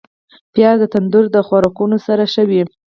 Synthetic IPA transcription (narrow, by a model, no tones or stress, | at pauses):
pjɑd̪ət̪and̪uɾd̪əxwaɾɑkunosaɾaʃəwi